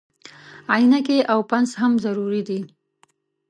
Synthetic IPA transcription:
ajinakeʔawpanzhamzaɾuɾid̪i

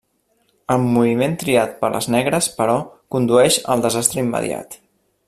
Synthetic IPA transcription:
əlmːuβiment̪ɾiat̪̚pəɾlə̰znɛɣ̞ɾəspəɾɔkund̪uɛʃəlˠd̪əzast̪ɾəimːə̰ðj̰a̰t̪

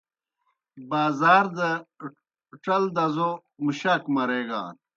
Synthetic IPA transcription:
baːzaːɾd̪ɐ | ʈɐld̪ɐzo | muɕɐkmɐɾeːɡa̰ːn

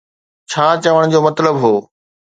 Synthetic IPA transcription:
t͡ɕʰaːt͡ɕɐʋəɽ̃d͡ʑoːmɐt̪ləbɦoː

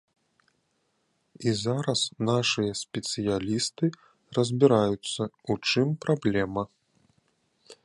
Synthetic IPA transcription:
izaɾɐsnaʂɨjɐsʲpʲɛt̪sɨjalʲist̪ɨ | rɐzʲbʲiɾajut̪sːɐut͡ʂɨmpɾablʲɛmɐ

